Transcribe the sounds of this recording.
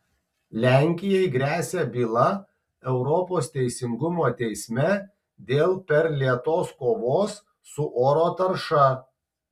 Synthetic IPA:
lʲæˑŋʲkʲɪjɛɪɡɾʲæːsʲæbʲiːlˠɐ | ɛʊɾɔpoːst̪ʲɛɪsʲɪŋɡʊmoːt̪ʲɛɪsʲmʲɛ | d̪ʲeːlˠpʲɛɾlʲiɛt̪oːskoːʋoːsː | ʊʔoːɾoːt̪ɐɾʃɐ

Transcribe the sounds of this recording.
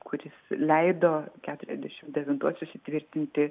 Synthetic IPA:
kʰʊɾʲɪslʲɛɪd̪oːkʲæːt̪ʊɾʲɛ̰zʲd̪ʲɛʃʲɪmd̪ʲɛʋʲɪnt̪uɔssʊsʲɪt̪ʲʋʲɪɾʲt̪ʲɪnʲt̪ʲɪ

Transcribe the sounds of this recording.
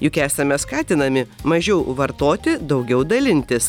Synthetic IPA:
jʊkʲæːsɐmʲɛskɑːt̪ʲɪnɐmʲɪmɐʒʲɛʊʋɐɾt̪oːt̪ʲɪd̪ɒʊɡʲɛʊd̪ɐlʲɪnʲt̪ʲɪs

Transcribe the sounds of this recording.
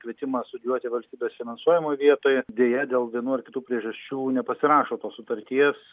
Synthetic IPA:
kʋʲiɛt̪ʲɪmɐst̪ʊd̪ʲjuɔt̪ʲɪʋɐlʲsʲt̪ʲiːbʲeːsfʲɪnɐnsuɔjɛmoːjʋʲiɛt̪oːjɛd̪ʲeːjɛd̪ʲeːlˠʋʲiɛnuːɐrkʲɪt̪uːpʲɾʲiɛʒɐsʲt͡ʃʲuːnʲɛpɐsʲɪɾɑːʃoːt̪oːssʊt̪ɐɾʲt̪ʲiɛs

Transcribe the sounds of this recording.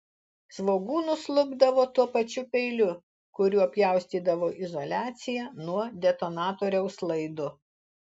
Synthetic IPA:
sʋoːɡuːnʊslˠʊɡd̪ɐʋoːt̪uɔpɐt͡ʃʲʊpʲɛɪlʲʊ | kʊɾʲuːɐpʲjɛˑʊsʲt̪ʲiːd̪ɐʋoːʔɪzɔlʲæːt̪sʲɪjænuɔd̪ʲɛt̪onɑːt̪oːɾʲɛʊslˠɐɪd̪ʊ

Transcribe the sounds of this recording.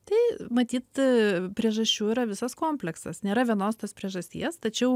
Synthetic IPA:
t̪ɐɪmɐt̪ʲiːt̪pʲɾʲiɛʒɐsʲt͡ʃʲuːiːɾɐʋʲɪsɐskoːmʲpʲlʲɛksɐsnʲeːɾɐʋʲiɛnoːst̪oːspʲɾʲiɛʒɐsʲt̪ʲḭɛst̪ɐt͡ʃʲɛʊ

